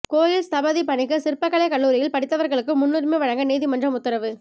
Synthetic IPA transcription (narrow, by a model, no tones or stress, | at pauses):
koːjɪlst̪ɐbɐðipɐɳɪkːɯsɪɾpɐkːɐɭɐɪkɐɭːuːɾɪjɪlpɐɽɪt̪ːɐʋɐɾɣɐɭɯkːɯmʊnːɯrmeʋɐɻɐŋɡɐniːðɪmɐndrɐmʊt̪ːɐɾɐʋɯ